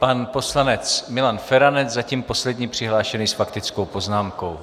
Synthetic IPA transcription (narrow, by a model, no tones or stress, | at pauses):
panpo̞slanɛt͡smɪlanfɛɾanɛt͡szaciːmpo̞slɛdɲiːpr̝̥ɪɦlaːʃɛniːsfakt̪ɪt͡sko̞wpo̞znaːmko̞w